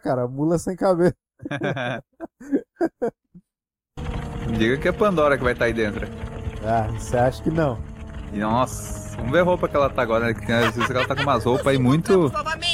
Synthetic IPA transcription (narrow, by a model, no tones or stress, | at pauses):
kaɾɐmulɐsẽj̃kabesɐ | mɪd͡ʒiɡɐkɪɛpɐ̃nd̪ɔɾɐkɪvajt̪aaid̪ẽnt̪ɾɐavoseaʃɐ̥kɪnɐ̃w̃ɪnɔs | vɐ̃mʊveɦowpɐkɪɛlɐt̪aaɡɔɾɐnɛkɪ̥t̪ẽj̃aɐzvizzkɛlɐt̪akõũmɐzowpɐimũj̃t̪ʊ